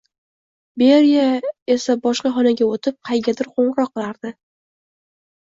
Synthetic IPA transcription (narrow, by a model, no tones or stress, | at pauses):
beɾijae̞sabɒʃqɑχɒnaɡʲaot̪ʰɪp̚qʰɑjɡʲad̪ɪɾqʰoɴɾɒqʰːɨlaɾd̪ɪ